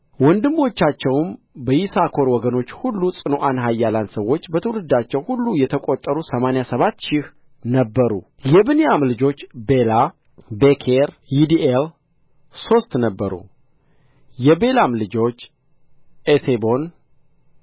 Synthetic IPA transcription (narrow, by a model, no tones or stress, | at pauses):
wɔnd̪ɨmːo̞t͡ʃːat͡ʃːɛwm | bəjisakʰo̞ɾwɔɡəno̞t͡ʃːhulːusʼɨno̞ʔanɦajːalansəwːo̞t͡ʃːbət̪ʰəwlɨd̪ːat͡ʃːɛwhulːujɛt̪ʰəkʼot̪ʼːəɾusəmanejasəβat̪ːʃɪh | nəbːəɾṵ | jɛbɨnejamlɨd͡ʒo̞t͡ʃːbe̞la | bekʰeɾ | jid̪iʔel | so̞st̪nəbːəɾṵ | jɛbe̞lamlɨd͡ʒo̞t͡ʃː | et̪ʰebo̞n